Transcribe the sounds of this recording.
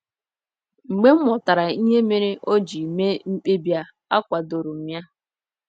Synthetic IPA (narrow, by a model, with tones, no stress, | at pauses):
ŋ͡m̩˨ɡ͡be˦m̩˦mɔ˨ta˨ɾa˨i˦ɦe˦me˦ɾe˦ʔo˦d͡ʒi˨me˦m̩˦k͡pe˦bja˦ | a˦kʷa˨do˨ɾu˨m̩˨mja˦